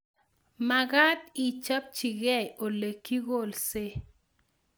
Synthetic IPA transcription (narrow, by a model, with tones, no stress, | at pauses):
ma˨ɡa˦di˨t͡ʃa˦p̚t͡ʃi˨ɡɛ˦˨jo˨le˨kːi˦ɣo˦˨lse˦